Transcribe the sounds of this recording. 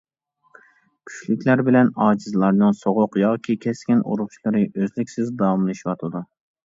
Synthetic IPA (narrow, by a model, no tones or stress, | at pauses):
kʲʰy̥t͡ʃlɪkʲʰlæɾbɪlɛnɑːd͡ʒizɨlˠɑɾnɨnsoʁʊqjɑːkʲʰikʲʰɛskʲinʔṵɾʊχʃlˠɨɾɨʔøzlɪkʲsɪzd̪ɑwɑmlˠɨʃiwɑt̪ʰɨd̪u